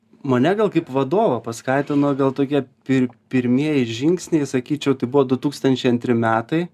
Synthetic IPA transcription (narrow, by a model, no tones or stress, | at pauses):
mɐnʲɛɡɐlˠkɐɪpʋɐd̪oːʋɐpɐskɑɪt̪ʲɪnoːɡɐlˠt̪oːkʲiɛpʲɪɾpʲɪɾʲmʲiɛjɪʒʲɪŋksʲnʲɛɪsɐkʲiːt͡ʃʲɛʊt̪ɐɪbʊʋoːd̪ʊt̪uːkst̪ɐnʲt͡ʃʲɛɪɐnʲt̪ʲɾʲɪmʲæːt̪ɐɪ